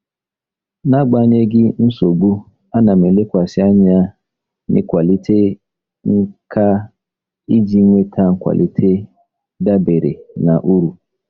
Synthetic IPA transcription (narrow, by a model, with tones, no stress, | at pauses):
na˦ɡ͡ba˦ɲ˦e˦ɡɪ˦n̩˦so˨ɡ͡bu˦ | a˦na˨me˨le˦kʷa˨sɪ˦a˦ɲɪ˨a˦ | nɪ̰˦kʷa˨li˦tʰe˦ | ŋ̩˦kʰa˦ | i˦d͡ʒi˦ŋʷe˦tʰa˦ŋ̩˦kʷa̰˨lʔḭ˦tʰe˦ | da˦be˨ɾḛ˨na˨ʔu˦ɾu˨